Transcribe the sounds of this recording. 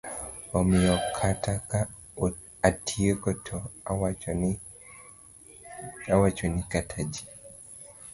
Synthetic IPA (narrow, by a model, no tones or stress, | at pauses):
ɔmɪjɔkʰataka | atʰiekɔtʰɔ | awat͡ʃɔnikatʰad͡ʒi̥